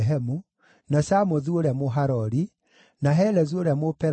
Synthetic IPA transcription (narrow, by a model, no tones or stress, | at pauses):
ɦɛmu | nasamɔðuoɾeamoɦaɾɔɾi | naɦɛlɛzuoɾeamopɛ